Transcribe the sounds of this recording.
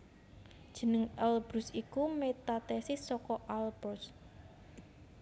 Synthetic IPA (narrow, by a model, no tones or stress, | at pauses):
d̥ʒ̥ə̤nəŋɛlb̥ɾusikumet̪at̪ɛsɪsːɔkɔʔalb̥ɔs